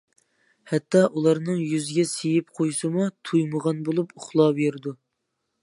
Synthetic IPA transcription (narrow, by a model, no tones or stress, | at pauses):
hɛt̪ːɑʔulˠɑɾnɨŋjyzɡʲɛsejɪpqʰojsɨmut̪ʰujməʁɑnbolˠupʊχlˠɑbeɾɪd̪u